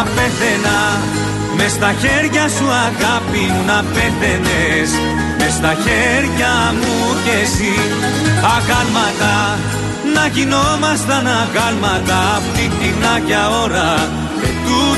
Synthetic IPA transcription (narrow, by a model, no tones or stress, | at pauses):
peθenɐ | me̞st̪ɐçeɾʝɐsuɐɣɐpinunɐpeθe̞nes | me̞st̪ɐçeɾʝɐmucesi | ɐkɐlmɐt̪ɐ | nɐʝino̞mɐst̪ɐnɐkɐlmɐt̪ɐpot̪it̪inɐcɐo̞ɾɐ | t̪u